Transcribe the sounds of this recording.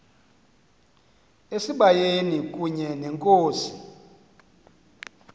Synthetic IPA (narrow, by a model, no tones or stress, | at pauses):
esiɓajenikʼuɲɛnɛŋkʼoːsi̥